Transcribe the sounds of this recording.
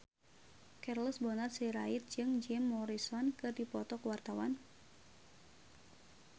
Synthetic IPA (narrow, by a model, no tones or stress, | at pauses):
kɛrlɔsbɔnarsiɾait̪̚d͡ʒɨŋd͡ʒɛmːɔɾisɔnkɨrdipɔt̪ɔkəwart̪awa̰n